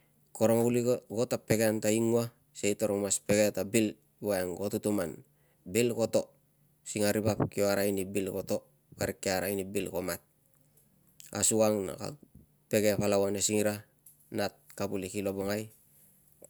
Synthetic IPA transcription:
koɾoŋauliɡotape̞ɡeantaiŋua | seitoɾomaspe̞ɡe̞tabil | iwaeŋɡotutuman | bilko̞to̞ | siŋaɾibapkioaɾainibilko̞to̞ | kaɾikːeaɾainibilko̞mat̚ | a̰suɡaŋna̰ka̰ | pe̞ɡepalawanesiŋiɾa | nat̚kabulikilo̞boŋaj

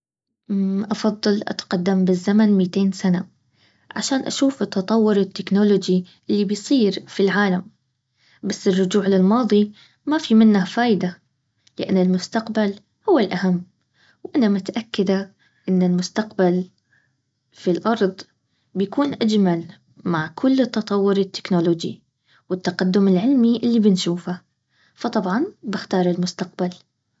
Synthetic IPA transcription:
ʔɑfɑðˤːɑlʔa̰t̪qɑd̪ːambɪzːamanmiːt̪eːnsana | ʕaʃaːnʔa̰ʃuːfɪt̪ːɑt̪ˤɑwːʊɾɪt̪ːɪknolod͡ʒiʔɪlːibɪjsˤiːɾfilʕaːlam | basːɪrːʊd͡ʒuːʕlɪlmɑːðˤi | mafimɪnːafaːʔd̪a | lɪʔa̰nːɪlmʊst̪aqbal | hʊwːɪlʔahamː | wʔanamʊt̪aʔakːad̪a | ʔɪnːɪlmʊst̪aqbal | filʔɑɾˤðˤ | bjakuːnʔad͡ʒmal | maʕkʰʊlːt̪ːɑt̪ˤɑwːʊɾɪt̪ːɪ̥knoloːd͡ʒḭ | wɪt̪ːaqad̪ːʊmɪlʕɪlmiʔɪlːibɪnʃuːfa | fɑt̪ˤɑbʕɑnbɪxt̪ɑːɾˤɪlmʊst̪aq̚bal

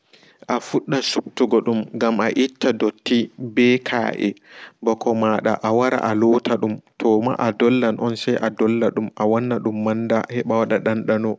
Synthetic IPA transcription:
ʔafuɗːasub̚tuɡɔɗumŋɡamaʔitːadotːibɛkʰa̰ːʔɛ̰bɔkʰɔmaːɗa̰ʔawaɾa̰ʔalɔːtʰaɗumtʰɔma̰ʔadɔlːanʔɔnsajʔadɔlːaɗumawɔnːaɗumːandahɛɓawaɗaɗanɗanɔ

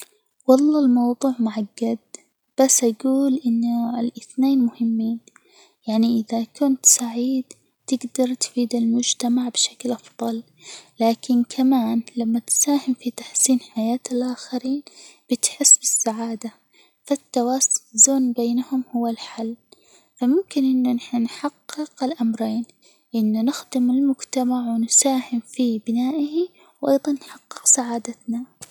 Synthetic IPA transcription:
wɑlˤːɑːlmɑwðˤuːʕmʊʕaɡːad̪̚ | b̥asːʔaɡuːlʔɪnːʊɪlʔɪθneːnmʊhɪmːiːn | jaʕniʔɪðakʊnt̪saʕiːd̪ | t̪ɪɡd̪ɑɾˤt̪fiːd̪almʊd͡ʒt̪amaʕbɪʃḁklʔɑfðˤɑl | laːkɪnkʰamaːnlamːat̪saːhɪmfit̪aħsiːnħajaːt̪alʔaːxaɾiːnb̥ɪt̪ħɪsːbɪsːaʕaːd̪a | fat̪ːawaːsʊ̥ɪzoːnbeːnahʊmhʊwːalħalː | famʊmkɪnʔɪnːʊnaħnanħɑqːɪqɪlʔamɾeːn | ʔɪnːʊnɪxd̪ɪmɪlmʊd͡ʒt̪amaʕwɪnsaːhɪmfibɪnaːʔɪhi | wʔɑ̰jðˤɑnːħɑqːɪqsaʕaːd̪at̪na

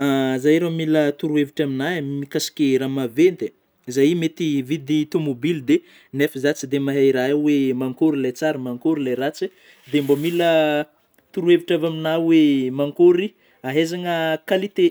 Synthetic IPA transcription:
azajɾomilət̪uɾueviʈ͡ʂaminaamikasi̥kʲeɾamavent̪e | zajimet̪ivid̪it̪omobild̪e | nefəzat͡sid̪emaɦaiɾaewemaŋkoɾilajt͡saɾimaŋkoɾilajɾat͡si | d̪embomilə | t̪uɾueviʈ͡ʂavaminawemaŋkoɾi | aɦezaŋəkalit̪e

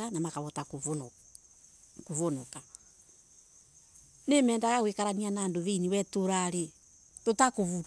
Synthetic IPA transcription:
anamakaβɔtak | koβonoka | nemɛːndaɣaɣwekaɾanianaːndoβeiniwɛtoɾaɾe | totakoβuɾ

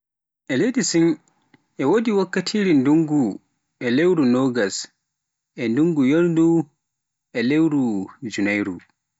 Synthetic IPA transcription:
ʔɛlejdisin | ʔɛwodiwakːatʰiɾinduŋɡu | ʔɛlewɾunɔːɡas | ʔɛnduŋɡujoɾdu | ʔɛlewɾud͡ʒunajɾu

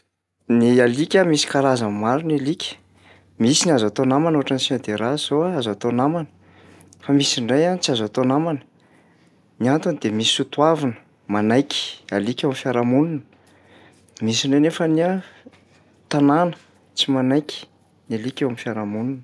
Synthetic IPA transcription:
nialikʲamisi̥kaɾazammaɾunalikʲə̥ | misiniazat̪onamanoaʈ͡ʂansid̪eɾaz̥oaazat̪onamanə̥ | famisiɳɖ͡ʐajanit͡siazat̪onamanə̥ | niant̪unid̪emiisut̪uavinə̥ | manajkʲi̥alikʲewamifjaɾamununə̥ | misiɳɖ͡ʐeajnefəniə | t̪ananə̥ | t͡simanajkʲi̥ | nalikʲewamifjaɾamununə

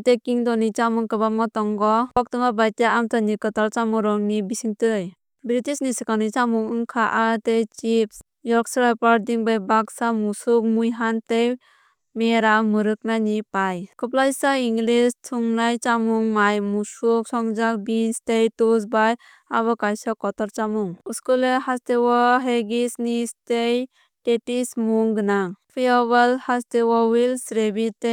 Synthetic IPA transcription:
tekiŋdɔnit͡ʃamuŋkɯbamɔtɔŋɡɔpɔk̚tɯmabajtaamtanikɯtalt͡ʃamɔɾɔŋnibisiŋtɯj | bɾitisnisikanɯjt͡ʃamuŋɯŋkʰaʔatejt͡ʃips | jɔɾksɾapaɾdiŋbajbaksamusuk̚mujɦantej | meɾamɯɾɯk̚nanipajkɔplajsaiŋlistʰuŋnajt͡ʃamuŋmajmusuk̚sɔŋd͡ʒakbinstejtus̬baj | aβɔkajsɔkɔtɔɾt͡ʃamuŋuskulehastewɔɦeɡisnistej | tetismuŋɡɯnapʰijaβalhastewawilsɾebitej

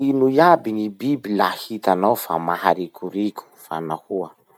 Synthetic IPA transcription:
inujabinibibilahit̪anawfamahaɾikʰuɾikʲu̥fa̰nahua

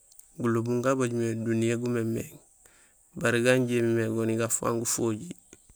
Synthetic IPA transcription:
ɡulubuŋɡabaɟumedunijeɡumemeŋ | baɾiɡaɲɟeːmimeɡoniɡafa̰ːŋɡufoːɟi

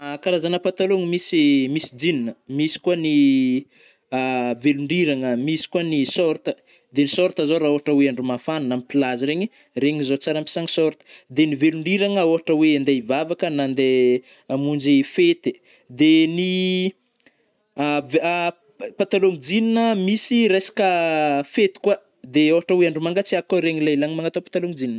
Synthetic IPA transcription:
akaɾazanəpat̪aloŋimisimisid͡zininəmisi̥kuani | veluɳɖ͡ʐiɾaŋəmisi̥kuanisɔɾt̪ə | d̪enisɔɾt̪əzoɾaoɦaʈ͡ʂəweaɳɖ͡ʐumafanunamipilaziɾeɲi | reɲizot͡saɾampi̥saŋi̥sɔɾt̪ə̥d̪eniveluɳɖ͡ʐiɾaŋəoɦaʈ͡ʂəweand̪eivavakənand̪e | amund͡ʒifet̪e | d̪eni | av | pat̪aloŋid͡zininəmisiɾesḁkəfet̪i̥kwa | d̪eoɦaʈ͡ʂəweaɳɖ͡ʐumaŋɡat͡siakoɾeɲilajlaŋimaŋat̪opḁt̪aloŋid͡zinin

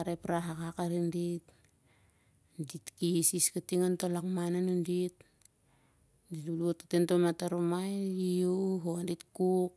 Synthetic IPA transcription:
aɾepɾaɦakakaɾindit | nditkisiskatiŋantolakmananundit̚ | dituluotatentomataɾumajiuɦonditkuk̚

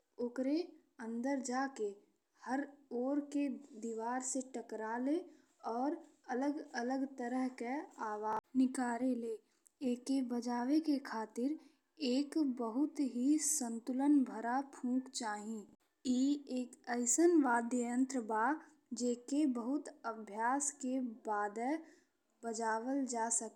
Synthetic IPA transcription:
ʊkɾe | ə̃nd̪əɾd͡ʒaːke | həɾoːɾked̪iːʋaːɾseʈəkɾale | ɔːɾələɡələɡt̪əɾəɦkeaːʋaːnɪkaːɾeleː | eːkebəd͡ʒaːʋekekʰaːt̪ɪɾ | eːkbəɦʊt̪ɦisə̃nt̪ʊlənbʱəɾapʰũːkt͡ʃaːɦĩ | iːeːkəɪsənʋaːd̪jəjə̃nt̪ɾəbaː | d͡ʒeːkebəɦʊt̪əbʱjaːskebaːd̪ə | bəd͡ʒaːʋəld͡ʒaːsək

